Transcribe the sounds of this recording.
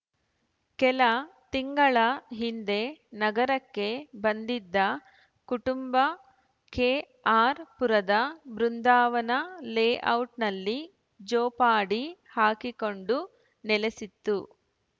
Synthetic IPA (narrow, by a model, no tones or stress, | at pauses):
kɛlɐt̪iŋɡɐɭɐɦind̪e̞nɐɡɐɾɐkːe̞bɐnd̪id̪ːɐ | kuʈumbɐ | keː | aːɾpuɾɐd̪ɐbɾund̪aːʋɐnɐleːʔɐwʈnɐlːi | d͡ʒɔːpaːɽihaːkiko̞ɳɖu | nɛlesit̪ːu